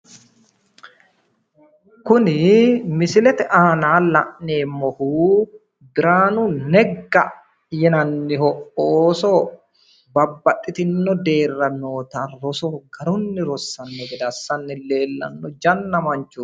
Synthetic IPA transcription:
kʊnɪmɪsɪlɛt̪ɛʔaːnaːlɐ̰ʔneːmːɔhuː | b̪ɪɾaːnʊnɛɡːɐ | jɛnɐnːɪhɔʔoːsɔ | bɐbːɐtʼːɪt̪ɪnːɔd̪e̞ːrːɐnːoːt̪ɐɾɔsɔɡɐɾʊnːɪɾɔsːɐnːɔɡɛd̪ɐsːɐnːɪle̞ːlːɐ̰nːɔd͡ʒɐnːɐmɐɲt͡ʃu

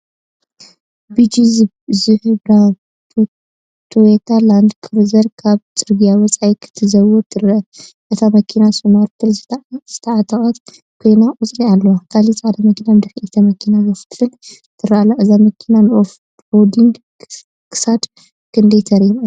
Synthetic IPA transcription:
bid͡ʒiz | zɨħɨbɾa | t̪ʰowet̪ʰaland̪kʰɨɾzɐɾkʰaβt͡sʼɨɾɡijawɐt͡sʼajkʰɨ̥t̪ʰɨzɐwot̪ʰɨɾɐʔɨt̪ʰamɐkʰinasumaɾt̪ʰɨlzz̥ɨt̪ʰɐʕat̪ʰʼɐχʼɐt̪ | kʰojnaʔʼut͡sʼlialːɐwakʰalit͡sʼad̪ɐmɐkinamd̪ɐxit̪ʰɐmɐkʰinazɐft̪lɨn | t̪ʰɨɾaʔalaʔɨzamɐkʰinanʔof | od̪iŋɡ | kʰɨ̥sad̪ | kʰɨnd̪ɐjt̪ʰɐɾijm

